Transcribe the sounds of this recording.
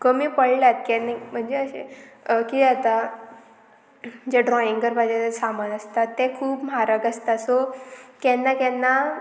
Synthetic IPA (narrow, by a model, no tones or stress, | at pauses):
kəmiːpəɽljat̪kɛnim̤əɳd͡zeəɕḛkiat̪a | d͡ʑeɖɾɔiŋɡɡəɾbad͡ʑetasamənəst̪at̪ːekʰuːpm̤aɾəkəst̪asɔkɛnːakɛnːa